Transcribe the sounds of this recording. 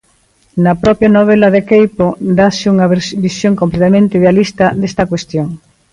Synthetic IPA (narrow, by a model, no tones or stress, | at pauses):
napɾɔpjanoβ̞elaðekejpod̪asɪuŋaβbisjoŋkõmplet̪amẽnt̪ɪiðealist̪ad̪est̪ɐkwest̪joŋ